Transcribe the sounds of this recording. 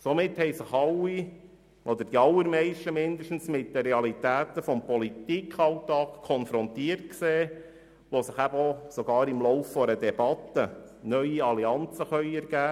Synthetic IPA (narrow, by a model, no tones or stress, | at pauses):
somɪt̪hɛɪsəχɑlːi | ʔɔd̪əɾd̥iɑlːəɾmɛɪʃtəmɪnd̪əʃtn̩smɪt̚d̪əɾɛɑlit̪æːt̪əfɔmpɔlit̪ikχɑwt̪ɑːkkʰːɔnfɾɔnt̪iərtkseː | ʋosəχæbəɔsɔɡ̥ɑːɾɪmlɔʊwfːɔɾəd̪ɛbɑt̪ːə | nœʏiɑliɑnt͡səχœʏɛɾɡ̥æː